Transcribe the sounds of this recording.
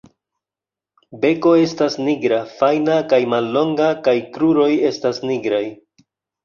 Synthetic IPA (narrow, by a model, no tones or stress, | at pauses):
be̞ko̞e̞stasniɡɾafajnakajmalːo̞ŋɡakajkɾuɾo̞je̞stasniɡɾaj